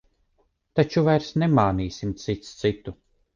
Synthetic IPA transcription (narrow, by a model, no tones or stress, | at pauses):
t̪at͡ʃuvajɾsnɛmaːniːsimt̪sit̪st̪sit̪u